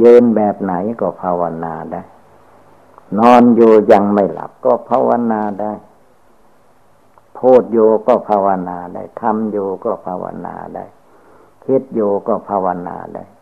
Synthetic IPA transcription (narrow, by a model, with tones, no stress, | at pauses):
jɤː˧nbɛː˨˩p̚na˨˦jkɔː˧˩pʰaː˧wa˧naː˧da˧˥˩j | nɔː˧njuː˨˧ja˧ŋma˥˩jla̰˨˦p̚kɔː˧˥˩pʰaː˧wa˧naː˧da˧˥˩j | pʰoː˧˥˩t̪̚juː˧kɔː˧˩pʰaː˧wa˧naː˧da̰˧˩jt̪ʰa˧mjuː˨˩kɔː˧˩pʰaː˧wa̰˧na̰ː˧da̰˧˥˩j | kʰe˦˥t̪̚juː˧˩kɔː˧˩pʰaː˧wa˧na̰ː˧da̰˧˥˩j